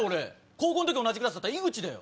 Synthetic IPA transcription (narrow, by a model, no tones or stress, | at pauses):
oɾe̞ | koːkõ̞nt̪okʲio̞nad͡ʑikɯɾasd̪at̪ːaiɡɯ̟t͡ɕid̪ajo̰